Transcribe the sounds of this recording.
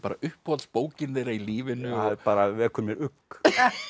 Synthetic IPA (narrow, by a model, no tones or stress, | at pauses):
paːɾaʏhphɔlspoːwcɪnðeːɾailiːvɪnʏɔpaːɾavɛːkʰʏɾmjɛɾʏkː